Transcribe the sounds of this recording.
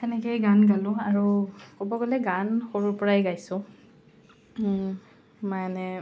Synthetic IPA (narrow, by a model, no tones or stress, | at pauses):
xɛnɛkejɡanɡalʊ̃aɹukobɔɡolɛɡanxoɹuɹpɔɹajɡajsʊ̃ | manɛ